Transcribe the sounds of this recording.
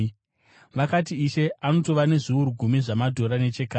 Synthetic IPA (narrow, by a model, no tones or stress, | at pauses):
ʋakat̬iːʃe̞ʔano̞to̞ʋane̞ʐuuɾuɡʱumiʐamadʱo̞ɾanet͡ʃekaː